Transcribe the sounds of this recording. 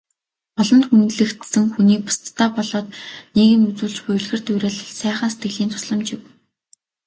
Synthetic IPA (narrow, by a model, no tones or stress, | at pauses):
pɔɮɞ̆nt̪xunt̪ɮɘ̆kt̪sɘ̆ŋxuniːk̚pʊ̥st̪ʰːaːpɔɮɔːt̪niːɣɘ̆ŋut͡suːɮt͡ɕpʊjɵ̆ɮxɘ̆rt̪ʊjɾæ̆ːɮsæːχə̆nse̥t̪ɡɘ̆ɮiːnt̪ʰʊ̥sɮə̆mt͡ɕɪ̆w